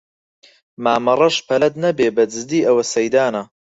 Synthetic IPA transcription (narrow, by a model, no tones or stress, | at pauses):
maːmɐrˤɐʃpʰɐlɐt̪nɐbeːbɐd͡ʒɨzd̪iːʔɐwɐsɐjd̪aːnɐ